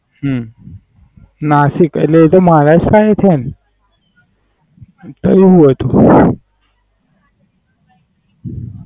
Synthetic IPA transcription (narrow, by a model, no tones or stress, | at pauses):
ɦ | nasikḛtleet̪omaɾaskaet̪ʰen | t̪əiɦũɦət̪ũ